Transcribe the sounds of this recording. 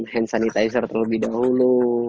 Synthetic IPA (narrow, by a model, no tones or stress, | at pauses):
ɦɛnsanit̪ajs̬ərt̪ərləbɪhdaɦulu